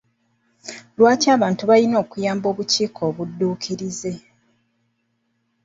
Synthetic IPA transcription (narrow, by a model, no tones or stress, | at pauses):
lwaːcaːβaːntuβalino̞ːkujaːmbo̞ːβuciːkʰo̞ːβudːuːkʰiɾize̞